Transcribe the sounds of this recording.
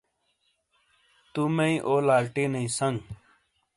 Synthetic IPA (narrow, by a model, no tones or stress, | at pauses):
t̪umeĩʔoːlaːlʈinɐĩsɐŋɡ